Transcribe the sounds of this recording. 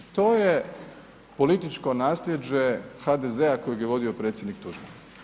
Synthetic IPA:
t̪o̞ːje̞ | po̞lit̪it͡ʃko̞naːslʲjed͡ʑe̞xad̪ezeako̞joɡjeʋo̞d̪io̞pɾet̪sjed̪nikt̪uʒbe

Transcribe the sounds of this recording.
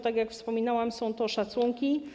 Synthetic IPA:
t̪aɡjakfspɔmʲinawamsɔ̃w̃t̪ɔʂat̪suŋkʲi

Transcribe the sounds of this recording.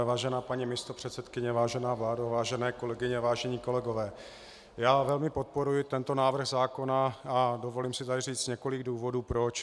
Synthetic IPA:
vaːʒɛnaːpaɲimɪst̪opr̝̥ɛt̪sɛt̪kɪɲɛvaːʒɛnaːvlaːdavaːʒɛnɛːko̞lɛɡɪɲɛvaːʒɛɲiːko̞lɛɡo̞vɛː | jaːvɛlmɪpo̞t̪̚po̞ɾujɪt̪ɛnt̪o̞naːvr̩ɣzaːko̞naado̞vo̞limsɪzariːt͡sɲɛko̞lɪɡduːvo̞duːpɾot͡ʃ

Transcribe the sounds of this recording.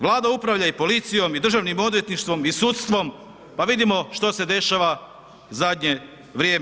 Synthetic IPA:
ʋlˠaːd̪aupɾaʋʎaipo̞lit̪sijo̞mid̪r̩ʒaʋnimo̞d̪ʋje̞t̪niʃt̪ʋo̞misut̪st̪ʋo̞m | paʋid̪imo̞ʃt̪o̞se̞d̪e̞ʃaʋa | uzad̪ɲe̞ | ʋɾjeːm

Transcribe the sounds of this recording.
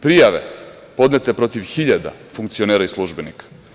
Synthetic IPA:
pɾijaʋḛ | po̞d̪net̪epɾo̞t̪iʋxiʎad̪a̰fuŋkt̪sio̞neːɾaislˠuʒbenikḁ

